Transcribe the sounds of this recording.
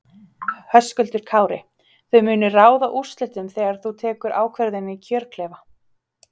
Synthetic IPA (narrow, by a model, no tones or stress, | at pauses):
hœskʏlt̪ʏɾ̥kʰaːwɾɪ̰ | θœɥmʏːnʏraːwðaʔu̥st̪lɪht̪ʏmθɛːɣaɾ̥θut̪ʰɛːkʏɾʔa̰ːwkʰvɛɾðɪnːɪcʰœːɾkʰlɛːva